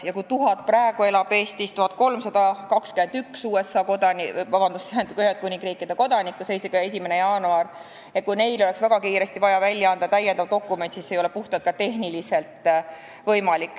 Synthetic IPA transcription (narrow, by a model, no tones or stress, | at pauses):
jɑkut̪uɦɑt̪̚prɑeɡ̥ue̞lɑb̥e̞ːst̪ist̪uhɑt̪̚ko̞lmsɑd̪̥ɑkɑkskyme̞nd̪yksuːe̞sːɑkod̪ɑnivɑb̥ɑnd̪usteænukyɦed̪̚kunʲiŋɡriːkid̪̥e̞ko̞d̪ɑnʲikːˑuse̞jseɡɑe̞s̬ʲimene̞jɑːnuɑr | et̪̚kujne̞jlo̞e̞ksvæɡ̥ɑkiːɾe̞st̪ivɑjɑvælʲːjɑɑnd̪̥ɑt̪æjend̪ɑvd̪o̞kːˑume̞nt̪sisːejo̞le̞puht̪ɑt̪̚kɑt̪e̞ɦnilise̞lt̪ˑ | vɤjmɑlikːˑ